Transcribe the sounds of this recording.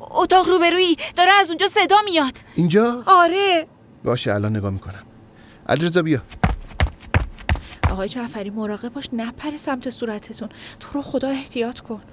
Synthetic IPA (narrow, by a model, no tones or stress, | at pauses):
ot̪ʰɒːʁruːbe̞ɾuːiːd̪ɒːɾeæzund͡ʒɒːse̞d̪ɒːmijɒd̪̥ind͡ʒɒːɒːɾe | bɒ̰ːʃeælɒːnːeɡɒːmiːkʰonæm | ʔæ̰liɾezɒːbijɒ | ɒ̰ːɣɒːjed͡ʒæfæɾiːmoɾɒːɣe̞b̚bɒːʃnæpʰæɾesæmt̪ʰe̞suːɾæt̪ʰe̞t̪ʰunt̪ʰoɾoxo̞d̪ɒːe̞ht̪ʰijɒːt̪ʰkʰo̞n